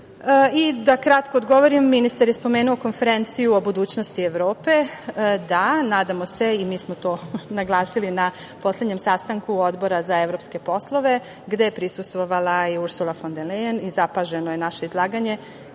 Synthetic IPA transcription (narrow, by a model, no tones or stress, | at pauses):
id̪akɾat̪ko̞ːd̪ɡo̞ʋoɾimːinist̪aɾjespo̞me̞ːnuoko̞nfe̞ɾe̞nt̪sijuo̞bud̪uːt͡ɕnost̪ieʋɾo̞ːpe̞d̪anaːd̪amo̞se̞imiːsmot̪o̞ːnaɡlˠaːsilinapo̞slʲed̪ɲe̞msast̪aŋkuo̞d̪bo̞ɾazae̞ʋɾo̞pske̞po̞slˠo̞ʋe̞ | ɡd̪e̞jepɾisust̪ʋo̞ʋalˠaiuɾsulˠafond̪elejenizapaʒenoje̞naʃe̞izlˠaːɡaɲe̞